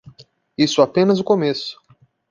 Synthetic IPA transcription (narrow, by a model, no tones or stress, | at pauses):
isʊapẽnɐzʊkomesʊ̥